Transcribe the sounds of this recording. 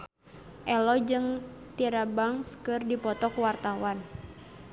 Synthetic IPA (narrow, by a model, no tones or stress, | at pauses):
ʔɛlɔd͡ʒɨŋt̪iɾabaŋskɨrdipɔt̪ɔkuwart̪awan